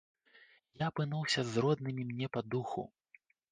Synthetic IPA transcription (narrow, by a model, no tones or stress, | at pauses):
japɨnuwsʲɐzrɔd̪nɨmʲimnʲɛpad̪uxṵ